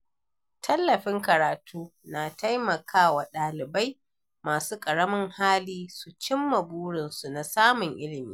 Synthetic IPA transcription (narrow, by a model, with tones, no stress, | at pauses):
tʰɐ˦lːɐ˨ɸɪ˦ŋkɐ˨ɾaː˨tʰuː˦na˨ta˦jmɐ˨kʰaː˦wa˨ɗaː˨lɪ˨ba˦j | maː˨suː˦kʼɐ˨ɽɐ˦mɪ˦ŋhaː˦liː˦su˨t͡ʃɪ˦mːɐ˨buː˦ɽɪ˨nsu˨na˨saː˦mʊ˨ŋʔɪ˦lɪ˨miː˦